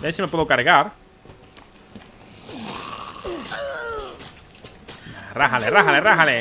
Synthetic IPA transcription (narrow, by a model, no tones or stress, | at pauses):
besime̞pweðokaɾɣaɾ | raɦaleraɦaleraɦale